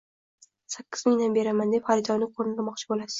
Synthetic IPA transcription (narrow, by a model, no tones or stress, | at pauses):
sakʲːɪzmɪŋd̪anbe̞ɾamand̪epχaɾɪd̪ɒnːɪqʰoɾnɪlamɒq̚t͡ʃʰɪbolasɪ̥